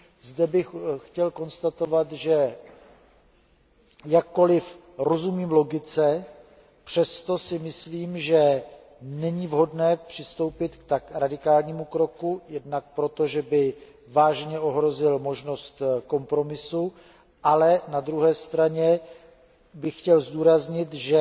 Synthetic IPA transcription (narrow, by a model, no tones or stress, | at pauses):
zdɛbɪxxcɛlko̞nst̪at̪o̞vat̪ʒɛ | jakːo̞lɪf | ɾo̞zumiːmlo̞ɡɪt͡sɛ | pr̝̥ɛst̪o̞sɪmɪsliːmʒɛ | nɛɲivɦo̞dnɛːpr̥ɪst̪o̞wpɪt̪kt̪akɾadɪkaːlɲiːmukɾo̞kujɛdnak̚pɾo̞t̪o̞ʒɛbɪ | vaːʒɲɛʔo̞ɦɾo̞zɪlmo̞ʒno̞st̪ko̞mpɾo̞mɪsu | ʔalɛnad̪ɾuɦɛːst̪ɾaɲɛ | bɪxcɛlzd̪uːɾazɲɪt̪ʒɛ